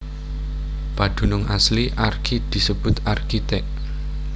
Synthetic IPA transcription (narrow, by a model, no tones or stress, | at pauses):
pad̪̥ṳnʊŋʔasliʔarkʰid̪̥i̤səb̥ʊ̤t̪arkit̪ɛʔ